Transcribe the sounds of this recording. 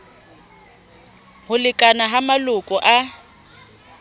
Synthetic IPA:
hʊlɪkʼanaɦamalʊkʼɔʔa

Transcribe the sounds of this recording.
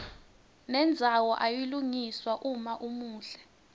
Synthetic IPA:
nɛnd͡zʱawɔʔajiluŋiswaʔumaʔumuːɬɛ

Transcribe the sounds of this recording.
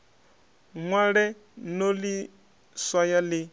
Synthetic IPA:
ŋwaɺɛ | noli | swajalɪ

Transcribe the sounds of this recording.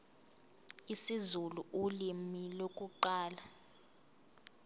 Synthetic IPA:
isizuluʔulimilokʼuǃaːla

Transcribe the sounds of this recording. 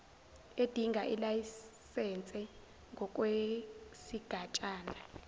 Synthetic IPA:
ed̥ʱiŋɡʱaʔilajisɛnt͡sʼɛ | ŋɡʱɔk̬ʼwesiɡ̥ʱat͡ʃʼaːna

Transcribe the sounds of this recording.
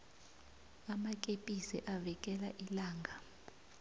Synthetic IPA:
amakʼepʼisɛʔavɛkʼɛla̰ʔilaːŋɡʱa

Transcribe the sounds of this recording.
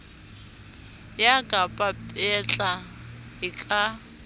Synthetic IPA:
jakʼapʼapʼɛt͡ɬʼaɦɪkʼa

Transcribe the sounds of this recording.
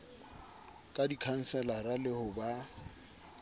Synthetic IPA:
kʼadikʰan̩sɛlaralɪhʊba

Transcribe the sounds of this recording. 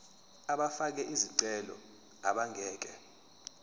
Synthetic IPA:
aɓafak̬ɛʔiziǀɛlɔ̰ | a̰ɓaŋʱɛːk̬ɛ

